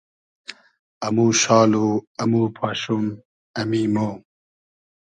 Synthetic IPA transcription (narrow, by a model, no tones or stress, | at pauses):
ɐmuːɕaːluɐmuːpʰaːɕun | ɐmiːmoː